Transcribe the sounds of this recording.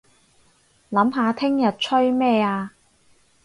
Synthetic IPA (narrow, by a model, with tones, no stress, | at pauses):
lɐ˨˥mɦaː˨˧t̪ʰɪ˥ŋjɐ˨t̚t͡ʃʰɵ˥ɥmɛː˥˧aː˧